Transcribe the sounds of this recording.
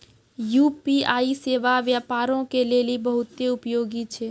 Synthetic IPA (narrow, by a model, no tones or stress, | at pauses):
juːpiaːiseːʋaʋjaːpaːɾõkeleːlibəɦʊt̪ːeʊpjoːɡit͡ʃʰeː